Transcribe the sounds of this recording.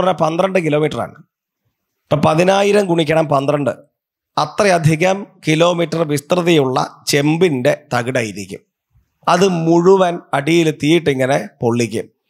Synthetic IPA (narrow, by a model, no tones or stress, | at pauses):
rɐnɐpɐnd̪rɐɳɖɨkilo̞ːmiːʈːɐra̰ːɳɨ | pːɐpɐðinaːjiɾɐmkuɳikʲːɐɳɐmpɐnd̪rɐɳɖɨ̰ | ɐt̪rɐjɐd̪ʱiɣɐmkilo̞ːmiʈːɐrʋist̪rɨðɐjuɭːɐ̰t͡ɕe̞mbinde̞t̪ɐɣɨɽaːjiɾikʲːṵm | ɐðɨmuɻuʋɐnɐɖijilt̪iːiʈːiŋːɐne̞po̞ɭːikʲːṵm